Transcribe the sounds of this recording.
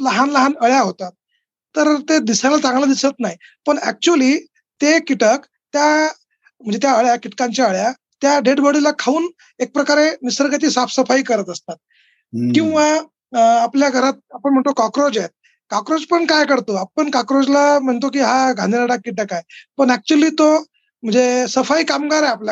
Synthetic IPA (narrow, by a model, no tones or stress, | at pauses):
ləɦanləɦanəɭjaɦot̪at̪̚ː | əɾt̪ed̪isalat͡sãŋɡlad̪isət̪naɦi | pəɳæ̰k̚t͡ɕuəliː | t̪ekiʈək | t̪ja | m̤əɳnd͡zet̪jaəɭjakiʈkaɲt͡ɕjaəɭja | t̪jaɖeɽbəɽilakʰauːn | ek̚pɾəkaɾemisəɾɡat͡ɕ̪iːsafsəfaiːkəɾət̪əst̪at̪̚ | kĩw̃ʋaː | pljaɡʱəɾat̪̚apəɳm̤əɳt̪okɔkɾod͡ʑet̪̚ | kakɾod͡zpəɳkajkəɾt̪oapəɳkakɾod͡zlam̤əɳt̪ok̬iːɦaɡʱã̰nd̪iɾaɽakːiʈ̬əkajpəɳæk̚t͡ɕuəliːt̪o | m̤əɳd͡zesəfaiːkamɡaɾajaplja